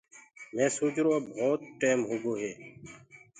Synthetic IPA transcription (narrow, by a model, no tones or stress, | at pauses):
mẽːsuːd͡ʒɾoːbʱoːt̪̚ʈeːmɦʊɡoːɦeː